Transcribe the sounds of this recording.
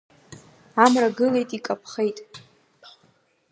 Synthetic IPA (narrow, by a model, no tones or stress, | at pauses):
amraɡɨle̞jtʼikʼapʰχejtʼ